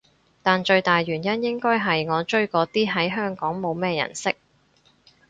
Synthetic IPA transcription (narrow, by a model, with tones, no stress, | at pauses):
t̪aː˨nt͡ʃɵ˧ɥt̪aː˨jɥyː˨˩njɐ˥njɪ˥ŋkɔː˥jɦɐ˨jŋɔː˨˧t͡ʃɵ˥ɥkɔː˨˧˥t̪iː˥ɦɐ˨˥jɦœː˥ŋkɔː˨˥ŋmo˨˧wmɛː˥˧jɐ̰˨˩nsɪ˥k̚